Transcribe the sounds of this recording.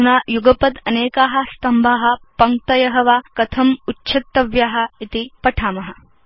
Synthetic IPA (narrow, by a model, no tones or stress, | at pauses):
unaːjuɡɐpɐd̪ɐneːkaːɦɐ̆st̪ɐmbʱaːɦɐ̆pɐŋk̚t̪ɐjɐɦɐʋaːkɐt̪ʰɐmutːt͡ʃʰɐt̪ːɐʋjaːɦɐ̆it̪ipɐʈʰaːmɐɦɐ̆